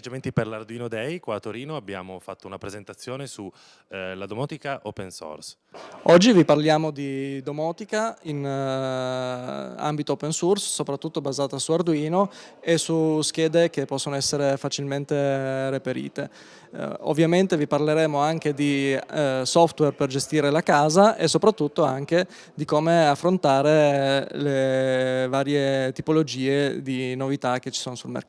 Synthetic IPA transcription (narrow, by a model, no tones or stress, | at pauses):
ed͡ʒament̪iperlard̪uiːnod̪ɛjkwaːt̪ːoɾiːnoabːja̰ːmofat̪ːounapɾezent̪at̪sːjoːnesu | lad̪omɔːt̪ikaʔopenso̰rs | ɔd͡ʒːiviparljaːmod̪id̪omɔːt̪ikain | a̰mbit̪ooːpensursːopɾat̪ːut̪ːobazaːt̪asuard̪uiːnoesusk̟ɛːd̪ek̟epːɔsːonoɛsːeɾefat͡ʃilment̪erepeɾḭːt̪e | o̰vːjament̪eviparleɾɛːmoaŋk̟ed̪i | sɔft̪wɛrperd͡ʒest̪iːɾelakaːzaʔesopɾat̪ːut̪ːoaŋk̟e | d̪ikomeafːɾont̪aːɾele | vaːɾjet̪ipolod͡ʒiːed̪inovit̪ak̟ːet͡ʃːi̥soːnosulmḛrkː